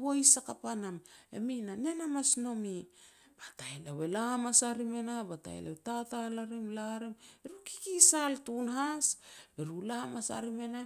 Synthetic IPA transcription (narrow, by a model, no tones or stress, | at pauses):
βo̞jsakapaname̞̰minane̞namasno̞mi | batajlawelamasaɾime̞nabata̰j̰la̰wetatalaɾimlaɾimeɾuki̥kisaltunɦasbeɾulamasa̰ɾime̞na